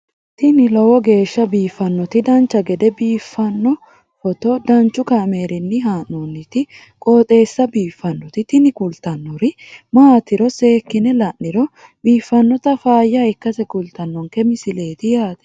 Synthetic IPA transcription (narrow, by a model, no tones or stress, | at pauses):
t̪ɪnɪlɔwɔɡe̞ːʃːɐbiːfːɐnːɔt̪ɪd̪ɐnt͡ʃːɐɡɛd̪ɛbiːfːɐnːɔ | fɔt̪ɔd̪ɐnt͡ʃːʊkɐmeːɾɪnːɪɦaːnːunːɪt̪ɪ | kʼoːt̪ʼe̞ːsːɐbiːfːɐnːɔt̪ɪt̪ɪnɪkʊlt̪ɐnːɔɾɪmaːt̪ɪɾɔse̞ːkːɪnɛlɐʔːɪɾɔ | biːfːɐnːɔt̪ɐfaːjːaɪkːɐsɛkʊlt̪ɐnːɔŋkɛmɪsɪle̞ːt̪ɪjaːt̪ɛ̥